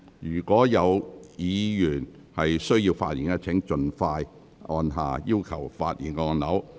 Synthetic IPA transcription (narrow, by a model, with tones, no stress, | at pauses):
jyː˨˩kʷɔː˨˥jɐ˨˧wjiː˨˧jyː˨˩n | hɐ˨jsɵ˥ɥjiː˧wfa̰ː˧t̚iː˨˩nkɛ˧t͡sʰɪ˨˥ŋt͡ʃɵ˨nfaː˧j | ʔɔː˧nɦa̰ː˨jiː˥wkʰɐ˨˩wfaː˧t̚jiː˨˩nkɛ˧ɔː˧nɐ˨˥w